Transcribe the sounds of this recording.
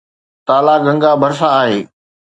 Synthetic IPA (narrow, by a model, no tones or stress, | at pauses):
t̪aːlaɡɐ̃ŋɡabʱɐɾsãaːɦeː